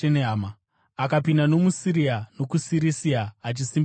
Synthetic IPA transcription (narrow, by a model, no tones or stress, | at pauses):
eneɦama | akapindano̞musiɾiano̞kusiɾisiaːt͡ʃisim